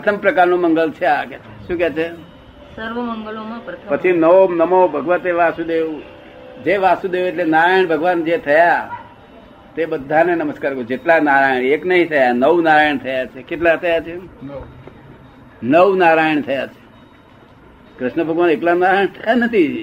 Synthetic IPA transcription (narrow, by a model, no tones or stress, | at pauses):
pət̪ʰəmpɾəkaɾnomə̃ŋɡəlt͡ʃʰeakɛt͡ʃʰe̥ʃũkɛt͡ʃʰe | səɾʋəməŋɡəlomãp̪ʰpət͡ʃʰinəonəmobʱəɡʋət̪eʋasud̪eʋu | d͡ʒeʋasud̪eʋueʈlenaɾajəɳ̃bʱəɡʋand͡ʒet̪ʰəja | t̪eɓəd̪ʱːanenəməskaɾɡõd͡ʒeʈlanaɾajəɳeknəɦĩt̪ʰəjanəʋunaɾajəɳt̪ʰəjat͡ʃʰekeʈlat̪ʰəjat͡ʃʰe | nəʋnaɾajəɳt̪ʰəjat͡ʃʰe̥ | kɾɪʃɳəbʱəɡʋaneʈlanaɾajəɳt̪ʰəjanət̪ʰi